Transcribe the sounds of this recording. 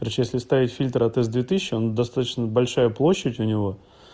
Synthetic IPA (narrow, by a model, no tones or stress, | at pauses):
ɾʲɪt͡ɕjesʲlʲɪst̪avʲɪtʲfʲilʲt̪ɾɐt̪ɛzd̪vʲet̪ɨɕɪɕːɪond̪ɐst̪at̪ə̥t͡ɕnəbɐlʲʂajəplˠo̞ɕːətʲʊnʲɪvo̞